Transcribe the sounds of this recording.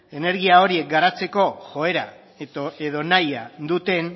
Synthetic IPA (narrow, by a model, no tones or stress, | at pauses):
e̞ne̞ɾɣiao̞ɾie̞k̚ɡaɾat͡se̞ko̞ʝo̞e̞ɾa̰ | et̪oeðo̞najad̪ut̪e̞n